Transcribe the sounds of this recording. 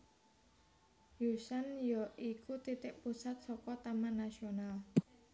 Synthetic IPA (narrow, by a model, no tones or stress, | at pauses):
jusanjɔʔikʰut̪it̪ɪʔpusat̪̚sɔkɔt̪amanːasional